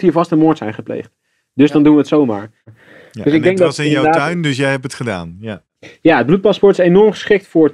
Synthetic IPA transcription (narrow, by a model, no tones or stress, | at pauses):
thiːɹvɑstənmʊɹtsɛjnχəplḛjχt | dɵzdɑndunʋəətsowma̰ːɹ | døsɪɡdɛŋɡdsɪnjadaːaɥndəsjɛjɦɛpətχəda̰ːn | jaəd̚blut̚pɑspɔɹtɪsenɔɹmχə̥sχɪk̚tfʊɹ